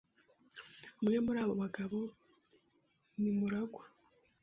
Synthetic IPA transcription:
umŋe̞muɾaːβo̞βaɡaβo̞ | nimuɾaɡa

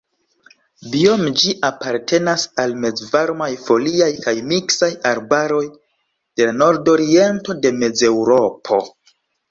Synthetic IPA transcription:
bio̞md͡ʒiʔapaɾtʰe̞nasalme̞d͡zvaɾmajfo̞liajkajmiksajaɾbaɾo̞j | d̥e̞lano̞ɾdo̞ɾie̞nto̞de̞me̞d͡ze̞wɾo̞pʰo̞̰

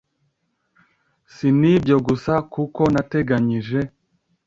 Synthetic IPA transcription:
sinibjo̞ɡusakuko̞nate̞ɡaɲiʒe̞

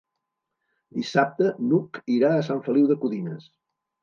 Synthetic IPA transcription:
d̪isap̚t̪ənukiɾaəsaɱfəliwðəkuðinəs

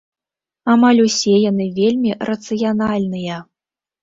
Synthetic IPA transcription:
amalʲusʲejanɨvʲelʲmʲirɐt̪sɨjanalʲnɨjɛ

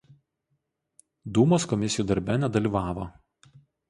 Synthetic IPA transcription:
d̪uːmoːskɔmʲɪsʲɪjuːd̪ɐɾʲbʲɛnʲɛd̪ɐlʲiːˑʋɑːʋo

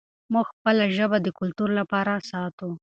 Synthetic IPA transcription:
muɡxpəlaʒəbad̪əkʊlt̪uɾlapɑɾasɑt̪u

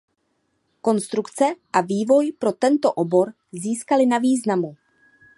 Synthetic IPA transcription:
ko̞nst̪ɾukt͡sɛʔaviːvo̞jpɾo̞t̪ɛnt̪o̞ʔobo̞ɾ | ziːskalɪnaviːznamu

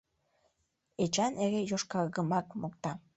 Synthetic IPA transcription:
et͡ʃɑneɣejoʃkɑɣəmɑkmok̚t̪ɑ

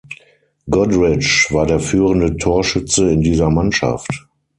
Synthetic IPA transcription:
ɡɔdʁɪt͡ʃv̥aːɐdeːɐfyːʁəndətʰoːɐʃʏt͡səɪndiːzɐmanʃa̰ft

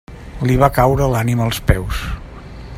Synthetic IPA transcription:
liβakawɾəlaniməlˠspɛws

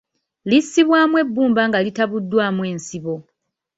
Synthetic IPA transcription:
lisːiβwaːmwe̞bːuːmbaŋɡalitaβudːwaːmwe̞ːnsiβo̞

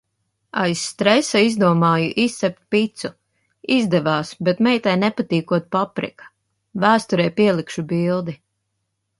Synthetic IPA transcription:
a̰jsːt̪ɾɛsaizd̪uɔmaːjuʔissɛp̚t̪̚pit̪su | izd̪ɛvaːsbɛt̪mɛjt̪ajnɛpat̪iːkuɔt̪̚papɾḭkḁ | væːst̪ɔɾɛjpiɛlˠikʃubilˠd̪i

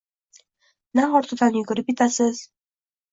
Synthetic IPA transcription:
naχɒɾt̪ʰʊt̪ʰanjʊɡʊɾɪp̚ʲɪt̪ʰasɪz̥

